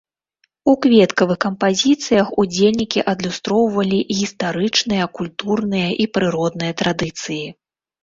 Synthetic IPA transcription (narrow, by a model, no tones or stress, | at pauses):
ukvʲɛt̪kɐvɨxkɐmpazʲit̪sɨjɐxud͡zʲelʲnʲikʲiʔɐd̪lʲust̪ɾɔwvɐlʲiʔɣʲist̪aɾɨt͡ʂnɨjɐkulʲt̪urnɨjɐʔipɾɨɾɔd̪nɨjɐt̪ɾad̪ɨt̪sɨji